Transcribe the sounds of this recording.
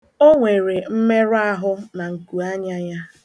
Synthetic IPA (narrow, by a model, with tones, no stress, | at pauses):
o˦ŋʷe˨ɾe˨m̩˦me˦ɾa˦ɦʊ˦na˨ŋ̩˨ku˨a˦ɲa˦ɲa˦